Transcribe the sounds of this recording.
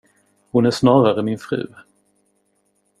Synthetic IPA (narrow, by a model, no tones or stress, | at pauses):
hʊnæʂnɑːɾaɾəmɪnfɾʉ̟̰ː